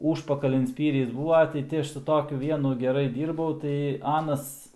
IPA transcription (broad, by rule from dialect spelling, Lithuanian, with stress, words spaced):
ˈuːʃpɐkɐlʲɪn ˈsʲpʲiːrʲɪs ˈbuːʋɐ tɐɪ ˈtʲɪ ˈɐʃ sʊ ˈtoːkʲʊ ˈʋʲiɛnʊ ɡʲɛˈrɐɪ ˈdʲiːrbɐʊ tɐɪ ˈɑːnɐs